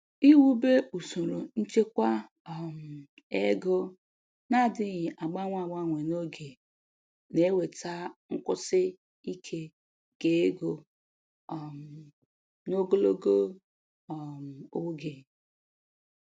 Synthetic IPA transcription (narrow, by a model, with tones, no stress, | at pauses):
i˦wu˦be˦u˨so˨ɾo˨n̩˦t͡ʃe˦kʷa˦ | ɔ˨m̩˨ | e˦ɡo˦ | na˦˨dɪ˦ɣɪ˨ʔa˨ɡ͡ba˦ŋʷa˦˨ɡ͡ba˦ŋʷe˨no˦ɡe˨ | ne˨˦we˨ta˦ŋ̩˦kʊ˦sɪ˦ | i˦kʰe˦ | ɡ̥e˨˦e˦ɡo˨ | m˨ | no˦ɡo˦lo˦ɡo˦ | ɔ˨m̩˨o˦ɡe˨